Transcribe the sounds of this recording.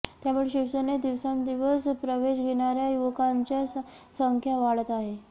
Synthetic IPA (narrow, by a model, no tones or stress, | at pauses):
t̪jamuɭeɕiʋsəned̪iʋsamd̪iʋəspɾəʋeɕɡʱeɳ̃aɾjajuʋkaɲt͡ɕja | səŋkʰjaʋaɭət̪aɦe